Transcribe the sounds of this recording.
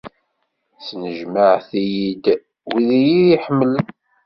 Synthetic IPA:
snəʒməʕθijid̪ | wiðijiiħəmːələn

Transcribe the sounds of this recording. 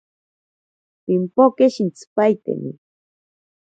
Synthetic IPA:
pimpokeʃint͡sɨ̥pajt̪ḛmḭ

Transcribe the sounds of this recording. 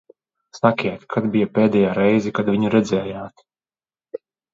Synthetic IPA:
sakʲiɛt̪kʰad̪bijapʲɛːd̪ɛjaːɾɛjzikad̪vʲiɲuɾɛd̪zɛːjaːt̪

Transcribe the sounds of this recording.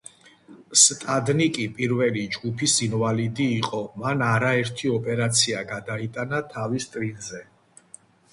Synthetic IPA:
st̪ʼad̪nikʼipʼiɾvɛlid͡ʒɡupʰisinvalid̪iːqʼɔmanaɾaɛɾt̪ʰiɔpʼɛɾat̪sʰiaɡad̪ait̪ʼanat̪ʰavist̪ʼɾinzɛ

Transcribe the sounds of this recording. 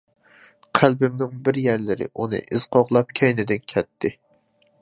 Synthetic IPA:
qʰælbɪmnɪŋbɪɾjæɾlɪɾɪ̰ʔunɨ̰ʔɪz̥qʰɑʁlˠɑp̚kʲʰɛjnɪd̪ɪnkʲʰɛt̪ʰːɪ

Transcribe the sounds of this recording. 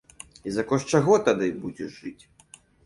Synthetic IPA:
izɐkɔʂt͡ʂaɣɔt̪ad̪ɨbud͡zʲɛ̰ʐ̥ɨt͡sʲ

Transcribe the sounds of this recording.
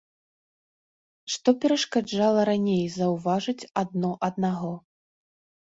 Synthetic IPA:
ʂt̪ɔpʲɛɾɐʂkad͡ʐalˠɐɾanʲejzɐwvaʐɨt͡sʲad̪̚nɔʔɐd̪̚naɣɔ

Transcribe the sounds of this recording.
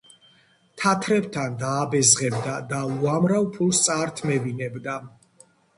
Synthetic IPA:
t̪ʰat̪ʰɾɛbt̪ʰand̪aːbɛzʁɛb̚d̪ad̪auamɾavpʰulˠst̪sʼaːɾt̪ʰmɛvinɛbd̪a

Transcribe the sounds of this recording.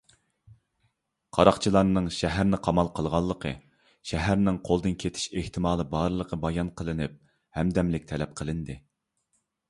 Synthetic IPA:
qʰɑɾɑqt͡ʃʰilˠɑɾnɨŋʃɛɦæɾnɪqʰɑmɑlˠqʰəlˠʁɑlˠːəqʰə̰ | ʃɛɦæɾnɪŋqʰolˠd̪ɨnkʲʰet̪ʰɪ̥ʃeht̪ʰɪmɑːlˠɨbɑɾlˠəqʰəbɑjɑnqʰəlˠɨnɪp̚ | hɛmd̪ɛmlɪk̚ʲt̪ʰɛlɛp̚qʰəlˠɨnd̪ɨ

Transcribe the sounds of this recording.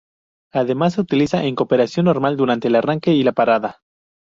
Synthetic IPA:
aðe̞mas̬ːe̞ut̪ilisaʔeŋko̞pe̞ɾasjo̞nːo̞ɾmald̪uɾant̪eːlaraŋke̞ilapaɾaða

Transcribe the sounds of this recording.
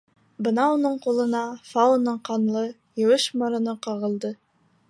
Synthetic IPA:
bɤnɑunɤɴqulˠɤ̆nɑfɑunɤɴqɑnlˠɤ | jɤ̆wɤʃmŏɾɤ̆nɤqɑʁɤ̆lˠd̪ɤ

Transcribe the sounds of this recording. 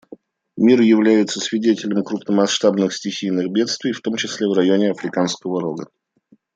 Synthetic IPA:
mʲirjɪvlʲæjɪt̪səsʲvʲɪdʲetʲɪlʲɪmkɾʊpnəmɐsʂt̪abnɨxsʲtʲɪxʲijnɨɣbʲe̞t̪st̪vʲɪjft̪o̞mt͡ɕɪsʲlʲevrɐjo̞nʲɪɐfɾʲɪkanskəvəɾoɡə̰

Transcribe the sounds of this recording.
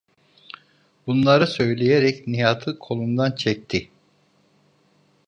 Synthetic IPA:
bunlˠaɾɯsø̞jlʲejeɾɛcnijaːt̪ʰɯkʰo̞lˠund̪ant͡ʃʰɛc̚t̪ʰɪ

